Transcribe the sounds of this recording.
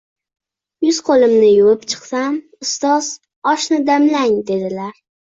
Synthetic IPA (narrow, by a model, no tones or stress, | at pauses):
jʊz̥qʰolˠɪmnɪjʊwɪpt͡ʃʰɨ̥qsam | ʊst̪ɒz̥ | ɒʃnɪd̪amlaŋd̪e̞d̪ɪlaɾ